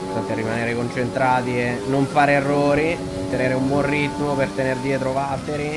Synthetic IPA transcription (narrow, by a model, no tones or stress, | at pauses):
t̪at̪erːimaneːɾekont͡ʃent̪ɾaːt̪iɛnːoɱfaːɾeerːoːɾi | t̪ːeneːɾeumbwɔnrit̪ːmopert̪enerd̪jɛːt̪ɾovat̪ːeɾi